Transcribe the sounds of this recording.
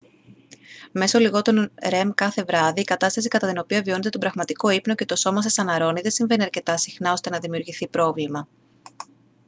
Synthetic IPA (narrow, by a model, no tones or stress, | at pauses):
me̞soliɣo̞t̪onɾe̞mkɐθe̞vɾɐðiːkɐt̪ɐst̪ɐsikɐt̪ɐt̪ino̞piɐvio̞ne̞t̪e̞t̪obɾɐɣmɐt̪iko̞ipno̞ce̞t̪o̞so̞mɐsesɐnɐɾo̞niðe̞siɱve̞niɐɾce̞t̪ɐsixnɐo̞st̪e̞nɐðimiuɾʝiθipɾo̞vlimɐ